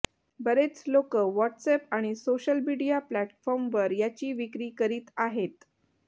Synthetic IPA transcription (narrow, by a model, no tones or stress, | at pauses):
bəɾet͡slokəʋɔʈsɛpaɽ̃isoɕəlmiɽijaplæʈfɔɾmʋəɾjat͡ɕiːʋikɾiːkəɾiːt̪aɦet̪